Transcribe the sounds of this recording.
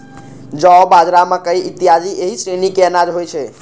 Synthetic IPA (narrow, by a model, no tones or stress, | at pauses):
d͡ʒɔbad͡ʒɾamakəiʔit̪ijad͡ʒiʔeɦisɾenikeənad͡ʒɦojt͡ʃʰɛ